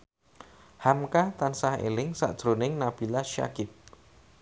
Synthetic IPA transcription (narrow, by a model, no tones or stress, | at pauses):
hamkat̪ansahḛlɪŋsa̰ʔd̥ʒ̥ɾonɪŋnab̥i̤laʃa̰kɪt̪̚